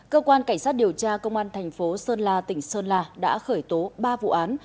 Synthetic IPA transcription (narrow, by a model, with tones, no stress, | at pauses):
kəː˧kwaː˧nka˧˩jŋ̟saː˦˥t̚ɗi˨˩əwt͡ɕaː˧kə˧wŋ͡mʔaː˧nt̪ʰɛ˨˩jŋ̟fo˨˦səː˧nlaː˧t̪ï˧˩ŋ̟səː˧nlaː˧˩ɗa̰ː˧˥xəː˧˩jt̪o˨˦ɓaː˧vṵ˧˨ʔaː˨˦n